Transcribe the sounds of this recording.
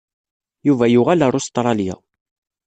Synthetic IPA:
juvæjʊʁælaɾˤost̪ɾˤɑlja̰

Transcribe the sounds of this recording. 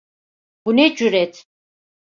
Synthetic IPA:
ɡunɛd͡ʒuɾɛt̪ʰ

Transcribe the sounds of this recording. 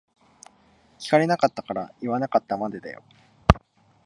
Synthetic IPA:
kʲi̥kaɾe̞nakat̪ːakaɾaiβanakat̪ːamad̪ed̪a̰jo̰

